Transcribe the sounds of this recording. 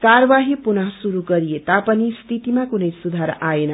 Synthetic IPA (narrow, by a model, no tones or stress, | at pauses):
kaɾʌʋaɦipunʌɦsuɾuɡʌɾijet̪apʌnist̪ʰit̪imakunʌjsud̪ʱaɾʔaenʌ